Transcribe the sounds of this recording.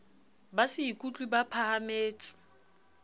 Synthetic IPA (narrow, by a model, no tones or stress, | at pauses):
basɪikʼut͡ɬʼibapʰaɦameːt͡sʼɪ̥